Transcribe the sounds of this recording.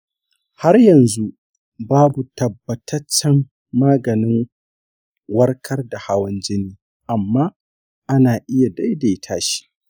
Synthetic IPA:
ha˦rjɐ˨nzu˦ | baː˦bu˨tɐ˨bːɐ˨tʰɐ˦t͡ʃːɐ˦mː | aː˦ɡɐ˨nɪ˦ŋ | wɐ˦rkʰɐ˦rda˨ha˦wɐ˦nd͡ʒɪ˦niː˦ | ʔa˨mːaː˦ | ʔa˦naː˨ʔɪ˦ja˨da˦jda˨jtʰaː˦ʃi̥˦

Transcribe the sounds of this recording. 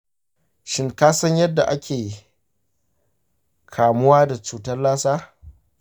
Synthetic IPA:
ʃɪ˦ŋkaː˦sɐ˦ɲjɐ˦dːa̰˨ʔa˦kʲʰeː˨ | kʰaː˨mʊ˦waː˦da˨t͡ʃuː˨tɐ˦rlaː˦saː˦

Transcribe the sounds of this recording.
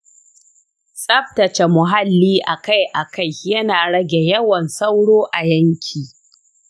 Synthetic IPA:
sʼɐ˦ɸ̚tɐ˨t͡ʃe˨mʊ˨ɦa˦lːiː˦ʔa˨ka˦jʔa˨ka˦jjɐ˦naː˨ɽɐ˦ɡʲe˨jɐ˦wɐ˨nsa˦wɽoː˦ʔa˨jɐ˦ŋkʲʰiː˨

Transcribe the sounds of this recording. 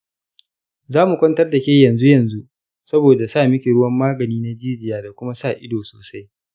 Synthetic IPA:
zaː˦mu˨kʷɐ˦ntɐ˦rda˨kʲeː˦jɐ˨nzu˦jɐ˨nzu˦ | sɐ˦boː˨da˨saː˦˨mɪ˦kʲe˨ɽʊ˦wɐ˦mːaː˦ɡɐ˨niː˦na˦d͡ʒiː˦d͡ʒɪ˨jaː˦da˨kʷʊ˦ma˦saː˦˨ʔɪ˦doː˨soː˨sa˦j

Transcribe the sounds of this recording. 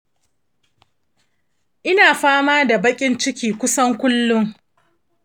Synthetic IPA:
ʔɪ˦naː˨ɸaː˦maː˦da˨bɐ˦kʲʼɪ˦nt͡ʃɪ˦kʲiː˨kʷʊ˦sɐ˦ŋkʷʊ˦lːʊ˦ŋ

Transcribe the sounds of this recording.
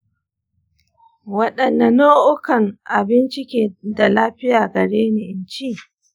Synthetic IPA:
wɐ˦ɗɐ˨nːa˨noː˦ʔʊ˦kɐ˨ŋʔa˨bɪ˦nt͡ʃɪ˦kʲeː˨da˨laː˦ɸɪ˦jaː˨ɡɐ˨ɽeː˦ni˨ʔɪ˨nt͡ʃi˦

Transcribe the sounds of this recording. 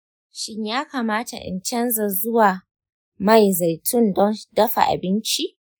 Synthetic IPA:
ʃɪ˦ɲjaː˦kaː˨maː˦ta̰˨ʔɪ̰˨nt͡ʃɛ˦nza˨zʊ˦waː˨ | ma˦˨jza˨jtʰʊ˦ndɔ˦dɐ˦ɸa̰˨ʔa̰˨bɪ˦nt͡ʃi˦ʔ

